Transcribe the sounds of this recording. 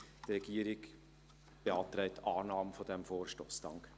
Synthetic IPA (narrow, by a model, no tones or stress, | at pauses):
d̥ɾɛɡ̥iːəɾɪɡ | b̥eɑːtɾɛɪtɑːnɑːməfodɛmfoːɾʃtoːsd̥ɑŋk